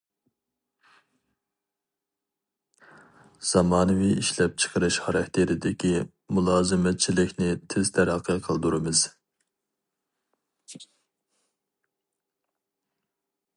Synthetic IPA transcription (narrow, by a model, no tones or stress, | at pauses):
z̥ɑmɑːnɨviiʃlɛp̚t͡ʃʰə̥qʰəɾɨʃχɑɾɑkʲt̪ʰeɾɪd̪ɪkʲʰi | mulˠɑːzɨmɛt̪̚t͡ʃʰilɪkʲnɪt̪ʰɪz̥t̪ʰæɾɑqʰːəqʰəlˠd̪uɾɨmɨz̥